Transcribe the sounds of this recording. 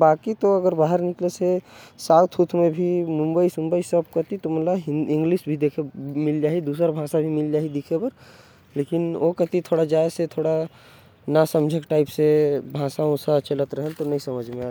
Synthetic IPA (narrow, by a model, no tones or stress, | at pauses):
baːkit̪oɐɡəɾbaːɦəɾnɪklesesaːt̪ʰut̪ʰmẽbʱimʊ̃mbəisʊ̃mbəisəb̚kət̪it̪omət̪ləbɪ̃ŋɡliʃbʱid̪eːkʰemɪld͡ʒaːɦid̪uːsəɾabʱãsabʱimɪld͡ʒaːɦid̪ikʰepəɾ | leːkɪnokət̪it̪ʰoːɽad͡ʒaːjset̪ʰoːɽa | nasəmd͡ʒʱekʈaɪpsebʱãːsaosət͡ʃelət̪ɾəɦəlt̪onəĩsəməd͡ʒʱmẽa